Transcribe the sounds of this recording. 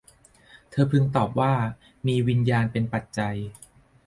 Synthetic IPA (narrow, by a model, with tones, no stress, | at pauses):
t̪ʰɤː˧pʰɯ˥˩ŋt̪ɔː˨˩p̚waː˥˩ | miː˧wi˧njaː˧npe˧npa˨˩t̪̚t͡ɕa˧j